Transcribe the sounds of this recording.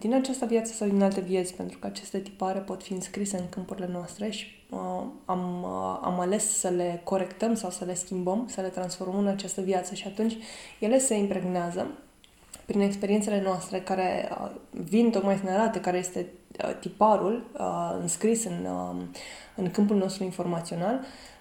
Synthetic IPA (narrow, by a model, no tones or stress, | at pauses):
d̪̥inat͡ʃast̪əvjat̪sə̥sawd̪inalt̪e̞vije̞t̪sʲpent̪ɾukəat͡ʃe̞st̪e̞t̪i̥paɾe̞po̞t̪fiɨnskɾise̞ɨŋkɨmpuɾile̞noast̪ɾe̞ʃi̥ | əama̰male̞ssəle̞ko̞ɾe̞kt̪əmsawsəle̞skʲimbəmsəle̞t̪ɾansfo̞rməməɨnat͡ʃast̪əvjat̪səʃiat̪unt͡ʃʲje̞le̞se̞impɾe̞ɡneazə | pɾine̞kspeɾient̪se̞le̞noast̪ɾe̞kaɾe̞ə̰vint̪o̞kmajsɨnaɾat̪əkaɾe̞je̞st̪e̞̰t̪ipaɾulɨ̰nskɾisɨn | ɨŋkɨmpulno̞st̪ɾuinfo̞rmat̪sio̞nal